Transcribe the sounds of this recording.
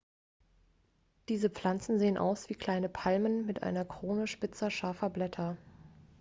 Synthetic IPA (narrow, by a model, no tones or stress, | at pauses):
d̥iːzəp͡fl̥ant͡sn̩zeːənʔa̰ʊsv̥iːkl̥aɪnəpʰalmənmɪtʔa̰ɪnɐkʁ̥oːnəʃpɪt͡sɐʃaɐfɐblɛtʰɐ